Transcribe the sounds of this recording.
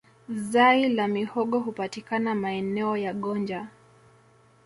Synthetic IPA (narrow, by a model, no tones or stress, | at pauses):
zailamihɔɠɔɦupatikanamaɛnɛɔjaɠɔnd͡ʒa